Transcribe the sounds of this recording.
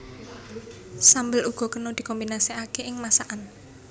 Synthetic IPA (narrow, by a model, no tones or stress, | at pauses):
sambəluɡ̥ɔ̤kənod̪̥i̤kɔmbinasiakeɪŋmasaʔan